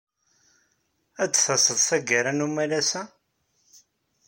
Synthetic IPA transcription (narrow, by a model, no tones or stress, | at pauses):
æt͡sːθɑsəðˤθæɡæɾanumælæsæ